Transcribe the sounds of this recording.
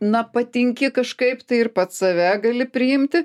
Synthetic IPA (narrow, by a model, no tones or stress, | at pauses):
nɐpɐt̪ʲɪŋʲkʲɪkɐʃkɐɪpt̪ɐɪɪrpɐt̪sɐʋʲæːɡɐlʲɪpʲɾʲɪɪmʲt̪ʲɪ